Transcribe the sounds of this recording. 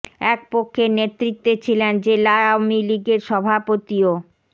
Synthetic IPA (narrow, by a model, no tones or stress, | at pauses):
ɛk̚pokʰːenet̪ɾit̪ːet͡ɕʰilend͡ʑelaamiliɡeɾʃɔbʱapot̪io